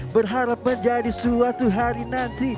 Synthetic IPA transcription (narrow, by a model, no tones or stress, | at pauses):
bərɦaɾap̚məɲd͡ʒadisuat̪uɦaɾinant̪i